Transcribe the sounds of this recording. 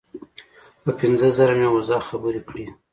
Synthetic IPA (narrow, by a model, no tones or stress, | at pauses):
pəpɪnzəzaɾamewazɑxabuɾikɽi